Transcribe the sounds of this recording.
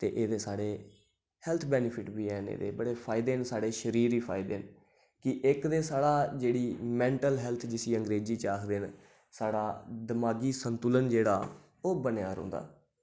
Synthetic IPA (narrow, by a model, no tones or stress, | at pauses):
t̪eːʔeːd̪eːsaːɽeː | hɛlt̪ʰbɛːnɪpʰɪʈbiːɛːnḛːd̪ḛːbəɽeːpʰaːɪd̪eːnsaːɽeːʃəɾiːɾiːpʰa̰ːɪd̪eːn | kɪʔɪkd̪eːsaːɽaːd͡ʒeːɽiːmɛ̃ːɳʈəlɦɛːlt̪ʰd͡ʒɪsĩːəŋɡɾeːd͡ʒiːt͡ʃaːkʰd̪eːn | saːɽaːd̪əmaːɡiːsənt̪ʊlənd͡ʒeːɽaː | oːbənejaːɾɦʊ̰̃ːnd̪a̰ː